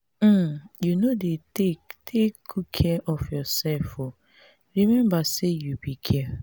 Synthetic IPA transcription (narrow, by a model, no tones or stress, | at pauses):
m̩junodetetʰekɡukʰɛʔɔfjɔsɛlfo | ɹimɛ̃mbasejubikʰɛ